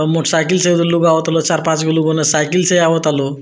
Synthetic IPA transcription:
moʈʰsajkilsəjd̪əluɡaʋət̪alot͡ɕaɾpãt͡sɡəluɡonəsajkilsəjaʋət̪alo

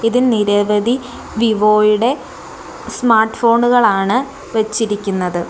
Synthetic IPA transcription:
iðilniɾɐʋɐd̪ʱi | ʋiʋo̞ːjuɽe̞ | smaːrʈːfo̞ːɳuɣɐɭaːɳɨ | ʋɐt͡ɕːiɾikʲːunːɐðɨ

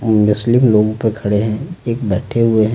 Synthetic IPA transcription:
mʊslɪmloːɡõpɐɾkʰɐɽeɦɛ̃eːkbɛːʈʰeɦʊeɦɛ̃

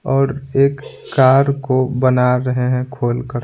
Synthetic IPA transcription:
ɔːɾeːkː | aːɾkobənaɾəɦeɦɛ̃kʰoːlkəɾ

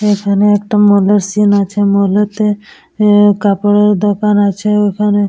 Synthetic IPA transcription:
ekʰaneɛk̚ʈamɔleɾsinat͡ʃʰemɔlet̪e | kapəɽeɾd̪ɔkanat͡ʃʰeokʰane

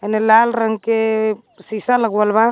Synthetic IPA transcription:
enelalɾəŋɡke | sisaləɡwalba

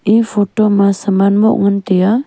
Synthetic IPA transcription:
ʔifotomasəmanmo̰ʔŋənt̪ea

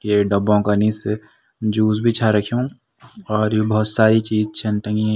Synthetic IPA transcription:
keɖɐbõkaniːse | d͡ʒuːzbʱit͡ʃʰaɾɐkʰiũ | ɔːɾjebɐɦʊt̪saːɾit͡ʃiːzt͡ʃʰɐnʈə̃ŋɡĩ

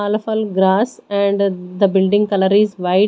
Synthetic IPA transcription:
aːləfʊlɡɾaːsɛ̃ɳɖd̪əbɪlɖɪ̃ŋɡkɐləɾizʋaɪ

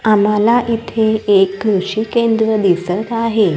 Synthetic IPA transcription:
am̤alaʔit̪ʰeekːɾuɕikend̪ɾəd̪isət̪aɦe

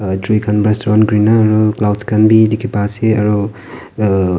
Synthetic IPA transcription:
dɾikʰanbɾestɾɔnɡɾinɐɐɾuklawdskɐnbidikʰipaseɐɾu

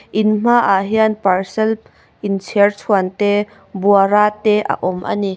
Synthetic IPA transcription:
ʔɪnm̥aʔaɦianparsɛlp | ʔɪnt͡sʰirt͡sʰuənt̪e | buaɾaːt̪ɛʔa̰ʔɔmʔa̰ni

